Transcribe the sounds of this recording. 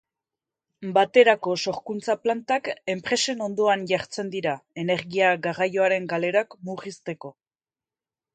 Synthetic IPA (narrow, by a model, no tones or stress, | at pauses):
bat̪e̞ɾako̞so̞ɾkunt͡saplant̪ake̞mpɾe̞se̞no̞nd̪o̞anʝaɾt͡se̞nd̪iɾae̞ne̞ɾɣiaɡarajo̞aɾe̞ŋɡale̞ɾakmuɣist̪e̞ko̞